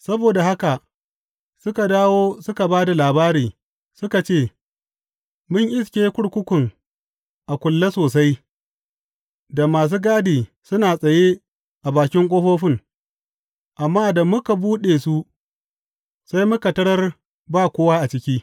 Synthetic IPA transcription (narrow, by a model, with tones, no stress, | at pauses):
sɐ˦boː˨da˨ha˦ka˨ | sʊ˦ka˨daː˦woː˦sʊ˦ka˨baː˦da˨laː˨baː˦ɾiː˨ | sʊ˦ka˨t͡ʃeː˦˨ | mʊ˦ɲʔɪ˦skʲeː˦kʷʊ˦ɽkʷʊ˦kʷʊ˨ŋ | ʔa˨kʷʊ˨lːa˦soː˨s̬a˦j | da˨maː˨s̬uː˦ɡaː˦diː˨ | sʊ˦naː˨sʼɐ˨je˦ | ʔa˨baː˨kʲɪ˦ŋkʷʼoː˦ɸoː˦ɸɪ˦ŋ | ʔa˨mːaː˦da˨mʊ˦ka˨buː˦ɗe˨su˦ʔ | sa˦jmʊ˦ka˨tɐ˦ɽɐ˦r | baː˦kʷoː˦waː˦ʔa˨t͡ʃɪ˦kʲiː˦